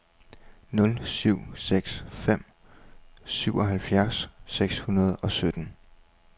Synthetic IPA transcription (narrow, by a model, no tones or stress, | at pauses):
nɔ̽lsyʊ̰seɡ̥sfem̰ | syʊɒ̽ɦælfjæɐsːeɡ̥shunɐð̞̩ˠɒ̽sød̥n̩